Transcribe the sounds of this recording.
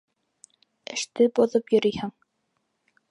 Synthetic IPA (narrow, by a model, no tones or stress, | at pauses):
ɘ̆ʃt̪ɘboðopjɵ̆ɾɵ̆jhæŋ